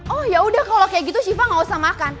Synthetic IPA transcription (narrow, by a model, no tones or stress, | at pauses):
ɔhjaudahkalokajaʔɡit̪usifaŋausamakan